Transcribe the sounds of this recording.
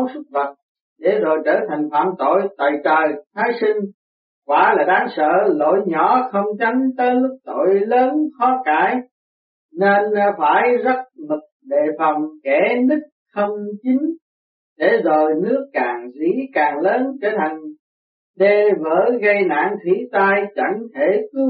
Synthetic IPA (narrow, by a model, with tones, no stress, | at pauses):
wsʊ˦˥t̚və˨˩t̚ | ɗe˧˩zo˨˩jt͡ɕəː˧˩t̪ʰa˨˩jŋ̟fa̰ː˧˨mt̪o̰˧˨jt̪a̰ː˧˨jt͡ɕəː˨˩jt̪ʰaː˨˦jsi˧ŋ̟ | kwaː˧˩˦laː˨˩ɗaː˨˦ŋsə̰ː˧˨lo̰˧˨jɲɔ˧˩˦xə˧wŋ͡mt͡ɕa˨˦nt̪əː˨˦jlʊ˦˥k̚t̪o̰˧˨jləː˨˦nxɔ˨˦kaː˧˩˨j | ne˧nfaː˧˩jzə˦˥t̚mɨ˨˩k̚ɗḛ˧˨fə˨˩wŋ͡mkɛ˧˩˦nɨ˦˥k̚xə˧wŋ͡mt͡ɕi˨˦ŋ̟ | ɗe˧˩zo˨˩jnɨ˦˥əkːaː˨˩ŋzḭ˧˥kaː˨˩ŋləː˨˦nke˧˩t̪ʰa˨˩jŋ̟ | ɗe˧˩vəː˧˩ɣə˧jna̰ː˧˨ŋt̪ʰwi˨˧˥t̪aː˧jt͡ɕa˧˩ŋt̪ʰe˧˩kɨ˨˦